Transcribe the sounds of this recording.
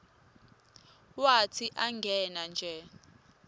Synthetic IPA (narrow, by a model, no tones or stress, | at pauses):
watʰiʔaŋɡʱɛnand͡ʒʱɛ